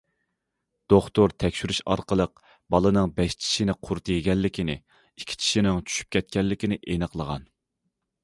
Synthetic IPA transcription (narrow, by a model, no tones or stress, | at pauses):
d̪̥oχt̪oɾt̪ʰɛkʲʃyɾyʃɑ̰ɾqəlˠəq̚ | bɑlˠɨnɨŋbɛʃt͡ʃʰi̥ʃinɪqʰʊɾt̪ʰɨjiɡʲɛlːɪkʲʰinɪ̰ | ikʲʰi̥t͡ʃʰi̥ʃinɪŋt͡ʃʰy̥ʃy̥p̚kʲʰɛt̪̚kʲɛlːɪkʲinɪʔenɨqlˠəʁɑ̰n